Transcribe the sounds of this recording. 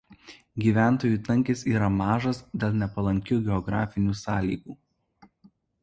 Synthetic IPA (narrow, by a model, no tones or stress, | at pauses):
ɡʲiːʋʲæˑnˑt̪oːjuːˑt̪ɐŋʲkʲesiːɾɐmɑːʒɐsd̪ʲɛlˠnʲɛpɐlˠɐŋʲkʲuːɡʲɛɔɡɾɑːfʲɪnʲuːsɑːlʲiːɡuː